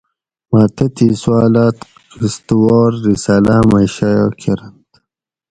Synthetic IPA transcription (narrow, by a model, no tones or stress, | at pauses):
maːt̪ɐt̪iːswaːlaːt̪ | kist̪uwɔːɾːisaːlamaɕajoːkʰeɾɐnt̪